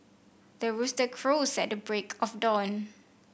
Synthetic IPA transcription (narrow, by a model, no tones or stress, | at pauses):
dəɹustəkʰɹosɛt̚dəbɹekʰɔfdɔ̃n